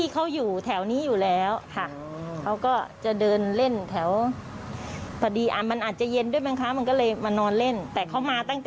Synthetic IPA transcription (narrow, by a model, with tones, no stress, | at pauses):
iː˥˩kʰa˦˥wjuː˨˩t̪ʰɛ˩˦wniː˦˥˨juː˨˩lɛː˦˥wkʰa˥˩ | kʰa˦˥wkɔː˥˩t͡ɕa˨˩dɤː˧nle˥˩nt̪ʰɛ˩˦w | pʰa˧˩diː˧ʔa˧˩ma˧nʔaː˨˩t̪̚t͡ɕa˨˩je˧ndu˥˩əjma˦˥kʰa˦˥ma˧nkɔ˥˩lɤː˧jmaː˧nɔː˧nle˥˩nt̪ɛː˨˩kʰa˦˥wmaː˧t̪a˥˩ŋt̪ɛ˨